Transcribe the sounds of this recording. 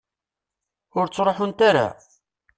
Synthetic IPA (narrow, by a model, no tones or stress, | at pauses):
ʊɾt͡sːɾˤoħʊnt̪aɾa̰